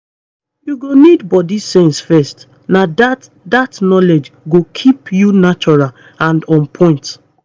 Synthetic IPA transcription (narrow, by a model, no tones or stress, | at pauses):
juɡonidbɔdisẽnsfɛst | nadat | datnɔled͡ʒɡokʰipjunat͡ʃɔɹal | ãndɔ̃npʰɔ̃ɪ̃nt